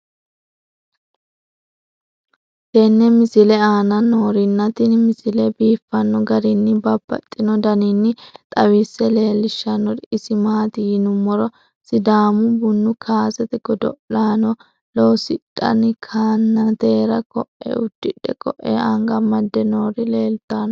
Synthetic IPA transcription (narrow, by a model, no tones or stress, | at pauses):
t̪ɛnːɛmɪsɪlɛaːnɐnoːɾɪnːɐt̪ɪnmɪsɪlɛbiːfːɐnːɔɡɐɾɪnːɪbɐbːɐ̰t̪ʼːɪnɔd̪ɐnɪnːɪt̪ʼɐwisːɛle̞ːlːɪʃːɐnːɔɾɪsɪmaːt̪ɪjɪnʊmːɔɾɔ | sɪd̪aːmʊbʊnːʊkʰaːsɛt̪ɛɡɔd̪ɔ̰ʔlaːnɔ | loːsɪtʼːɐ̰nkʰaːnːɐt̪eːɾɐkɔʔɛ̰ʊd̪ːɪᶑɛkɔʔːɛ̰aŋɡɐmɐd̪ːɛnoːɾɪleːlt̪ːaːn